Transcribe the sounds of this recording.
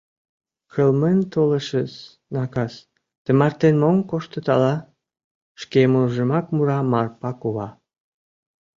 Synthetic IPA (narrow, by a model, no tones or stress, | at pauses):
kʰəlment̪oləʃəs | nɑkɑs | t̪əmɑrt̪enmomkoʃt̪ət̪ɑlɑ | ʃkemoʒəmɑkmuɾɑmɑrpɑkoβɑ